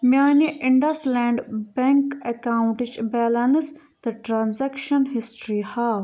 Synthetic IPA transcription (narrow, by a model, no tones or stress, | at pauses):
mjaːniʔiɳɖɐsleːɳɖbeŋkekaːũɳʈit͡ʃbɛːlɐnɨs | t̪ɐʈɾaːnzekʃɐnɦisʈɾihaː